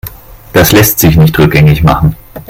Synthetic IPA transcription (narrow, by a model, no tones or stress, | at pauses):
d̥aslɛstz̥ɪçnɪçtʁʏk̚ɡ̥ɛŋɪçma̰χn̩